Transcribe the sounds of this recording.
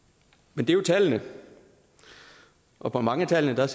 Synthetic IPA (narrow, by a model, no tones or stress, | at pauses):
mend̥e̝jo̝t͡sʰælənə | ʔɒ̽pʰɒ̽mɑ̈ŋəæt͡sʰælənəd̥ɑ̈s